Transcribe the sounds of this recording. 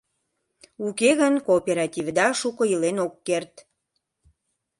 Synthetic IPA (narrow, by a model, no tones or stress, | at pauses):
ukeɣənkoːpʲeɾɑt̪ʲivd̪ɑʃukəilenokːert̪